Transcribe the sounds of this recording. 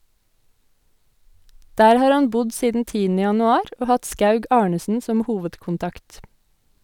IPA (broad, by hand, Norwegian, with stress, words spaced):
ˈdæːɾ ˈhɑːɾ ˈhɑn ˈbʊd ˈsiːdn̩ ˈtiːənə jɑnʉˈɑːɾ ˈoː ˈhɑt ˈskɑʉɡ ˈɑːɳəsn̩ ˈsɔm ˈhuːʋədkʊnˌtɑkt